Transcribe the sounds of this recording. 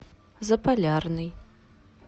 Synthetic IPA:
zɐpʰalʲarnɨj

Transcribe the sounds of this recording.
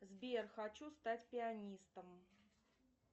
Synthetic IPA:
zbʲerxɐt͡ɕust̪atʲpʲɪɐnʲist̪əm

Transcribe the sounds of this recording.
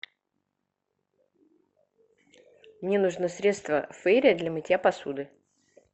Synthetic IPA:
mnʲenʊʐnɨsɾʲe̞t̪st̪və̰fɛɾʲɪəd̪lʲamɨtʲjapɐsud̪ɨ

